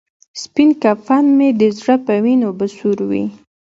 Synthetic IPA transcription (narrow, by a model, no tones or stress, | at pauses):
spinkafanmed̪əzɽapəwinobəsuɾwḭ